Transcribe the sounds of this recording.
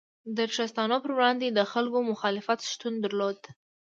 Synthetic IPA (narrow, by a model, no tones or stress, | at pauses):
d̪əɾʈ͡ʂast̪ɑnopəɾwɽɑnd̪ed̪əxalkomʊxɑlɪfat̪ʃt̪und̪əɾlod̪